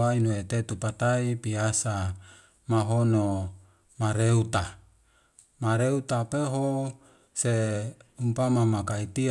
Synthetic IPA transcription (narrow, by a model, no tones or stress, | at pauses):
ainuet̪et̪upat̪aipiasa | maɦono | maɾeut̪a | maɾeut̪apeɦo | seumpamamakait̪i